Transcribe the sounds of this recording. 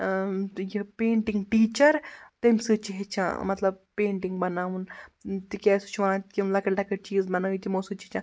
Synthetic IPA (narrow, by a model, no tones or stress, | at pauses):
jipeːɳʈiŋɡʈiːt͡ʃɐɾt̪emʲsɨt͡ʃiɦet͡ʃʰã̰ːmɐt̪lɐb̚pːeːɳʈiŋɡbɐnaːunt̪ikʲɛːsu̥t͡ʃʰʋanãt̪kinlakɐʈlakɐʈ̚t͡ʃiːzbɐnaːʋit̪imoːsɨt͡ʃit͡ʃʰã